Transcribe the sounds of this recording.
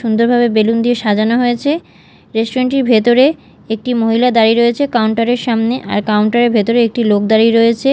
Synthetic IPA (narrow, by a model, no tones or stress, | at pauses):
ʃund̪oɾbʱabebelund̪ieʃad͡ʑanoɦoet͡ɕʰe | ɾesʈoɾeɳʈiɾbʱet̪oɾe | ek̚ʈimoɦilad̪aɾiɾoet͡ɕʰekawɳʈaɾeɾʃamneʔa̰ɾkawɳʈaɾeɾbʱet̪oɾeek̚ʈilok̚d̪aɾiɾojet͡ɕʰe